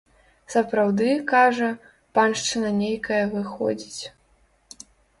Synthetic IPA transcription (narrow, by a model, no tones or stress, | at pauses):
sɐpɾawd̪ɨkaʐɐ | panʂt͡ʂɨnɐnʲejkɐjɐvɨxɔ̰d͡zʲit͡sʲ